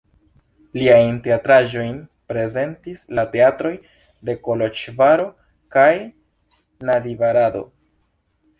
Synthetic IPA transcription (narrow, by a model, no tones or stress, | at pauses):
liajnte̞atɾaʒo̞jnpɾe̞ze̞ntislate̞atɾo̞j | de̞ko̞lot͡ʃvaɾo̞ | kaj | nadivaɾado̞̰